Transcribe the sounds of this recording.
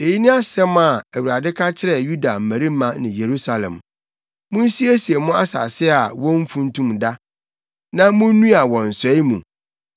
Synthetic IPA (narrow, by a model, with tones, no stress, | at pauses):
e˨ji˦nɪ̃˦a˦sɛ˦ma˨æ˨wu˨ɾa˨dɪ˦kʰa˦t͡ɕʰɪ˦ɾɛ˨ju˦da˨m̩˨mæ̃˨ɾi˦mã˦nɪ̃˨je˨ɾu˦sa˨lɛ̰̃˨m | mʊ̃˦n̩˦si˦æ˦si˨e˨mʊ̃˦a˦sa̰˨sɪ˦a˨wɔ̃˦m̩˦fũ˦n̩˦tʰũ˦mda˦ | nã˦mʊ̃˦nũ˦a˨wɔ̃˨n̩˨sɛ˨˦i˦mũ˨